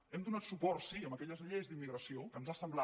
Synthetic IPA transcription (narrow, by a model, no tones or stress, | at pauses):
ɛmd̪unat̪supɔrsiəməkɛʎəzʎezd̪imːiɣɾəsiokənzasəmblˠa